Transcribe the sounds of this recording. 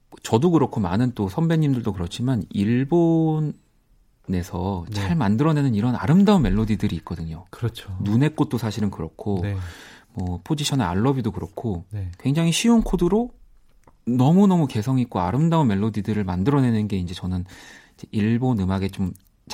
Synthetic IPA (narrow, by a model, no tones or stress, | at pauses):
t͡ɕʌdokɯɾʌkʰomanɯnt͈osʰʌmbeɲːimdɯɭdokɯɾʌt͡ɕʰimaniɭbon | ne̞sʰʌt͡ɕaɭmandɯɾʌne̞nɯniɾʌna̰ɾɯmdaunme̞ɭːodidɯɾiːk̚k͈ʌdɯɲokɯɾʌt͡ɕʰonune̞k͈ot̚t͈osʰaɕʰiɾɯnkɯɾʌkʰomwʌpʰod͡ʑiɕʰʌnea̰ɭːʌbidokɯɾʌkʰonkwe̞ŋd͡ʑaŋiɕʰionkʰodɯɾo | nʌmunʌmuke̞sʰʌŋik͈oaɾɯmdaunme̞ɭːodidɯɾɯɭmandɯɾʌne̞nɯnɡe̞ind͡ʑe̞t͡ɕʌnɯnid͡ʑeʔiɭbonɯmaɡe̞t͡ɕom | t͡ɕ